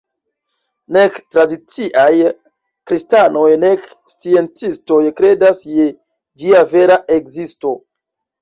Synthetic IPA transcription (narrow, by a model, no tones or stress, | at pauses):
ne̞ktɾadit͡siʔaj | kɾistano̞jne̞k | st͡sie̞nt͡sisto̞jkɾe̞dasje | d͡ʒiave̞ɾaʔekzisto̞